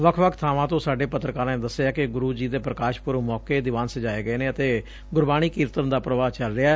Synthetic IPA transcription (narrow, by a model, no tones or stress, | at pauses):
ʋəkʰʋəkʰt̪ʰaːʋãːt̪õːsaːɖeːpət̪ɾəkaːɾaed̪əsːeaːkɪɡʊɾuːd͡ʒiːd̪eːpɾəkaːʃpʊɾmɔːkeːd̪ɪʋaːnsəd͡ʒaːeːɡəeːnẽːət̪eː | ɡʊɾbaːɽ̃iːkɪːɾt̪ənd̪aːpɾəʋaːt͡ʃəlɾɪa